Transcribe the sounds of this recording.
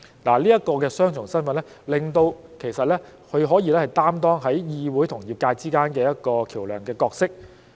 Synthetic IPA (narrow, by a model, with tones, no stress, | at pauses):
laː˨˩liː˥jɐ˥t̚kɔː˧kɛː˧sœː˥ŋt͡ʃʰʊ˨˩ŋsɐ˥nfɐ˨nlɛ˥ | lɪ˨ŋt̪o˧wkʰe˨˩jsɐ˨t̚lɛː˥ | kʰɵ˨˧ɥɦɔː˨˥jiː˨˧lɛ˥hɐ˨˩jt̪aː˥mt̪ɔː˥ŋɦɐ˨˥jjiː˧wu˨˥jt̪ʰʊ˨˩ŋjiː˨p̚kaː˧jt͡siː˥kaː˥nkɛː˧jɐ˥t̚kɔː˧kʰiː˨˩wlœː˨˩ŋkɛː˧kɔː˧k̚sɪ˥k̚